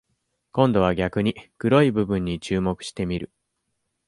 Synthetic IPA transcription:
kõ̞nd̪o̞β̞aɡʲakɯ̟ɲ̟ikɯ̟ɾo̞ibɯ̟bɯ̃ɲ̟ːit͡ɕɨːmo̞kɯ̟ɕi̥t̪e̞mʲiɾɯ̟

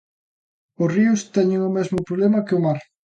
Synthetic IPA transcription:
ʊsriʊst̪ɛɲeŋʊmɛzmʊpɾoβlɛmɐkeʊmaɾ

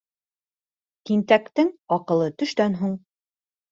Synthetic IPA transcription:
k̪int̪ækt̪ɘŋɒqɤ̆lˠɤt̪ɵ̆ʃt̪ænɦuɴ

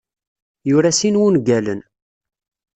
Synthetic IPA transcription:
jʊɾæsinwunɡælən

